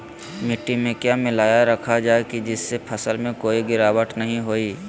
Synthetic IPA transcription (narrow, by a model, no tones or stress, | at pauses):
mɪʈːimẽkjaːmɪlaːjaɾɐkʰad͡ʒaːekid͡ʒɪsːepʰəsəlmẽkoːiɡɪɾaːwəʈnɐɦĩɦoːiː